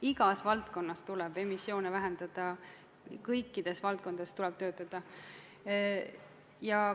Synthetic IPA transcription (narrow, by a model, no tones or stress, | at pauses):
iɡ̥ɑsvɑlt̪ko̞nːɑst̪ulɛb̥e̞misːjo̞ːnevæɦend̪̥ɑd̪̥ɑ | kɤjkˑːid̪̥e̞svɑlt̪̚koɑ̥st̪ulɛb̥̚t̪ø̞ːt̪ːˑɑd̪̥ɑ | jɑ